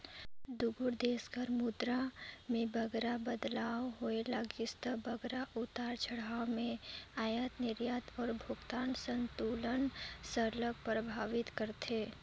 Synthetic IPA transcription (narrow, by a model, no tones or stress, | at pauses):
d̪ʊɡʊɾd̪eːsɡəɾmʊd̪ɾamẽbəɡɾabəd̪laːwɦoelaɡɪst̪ʰəbʱəɡɾaʔʊt̪aːɾt͡ʃʰəɽamẽaːjat̪nɪɾjaːt̪ɔːɾbʱʊɡt̪aːnsə̃nt̪uːlənsəɾlək̚pɾəbʱaːʋɪt̪kəɾt̪eː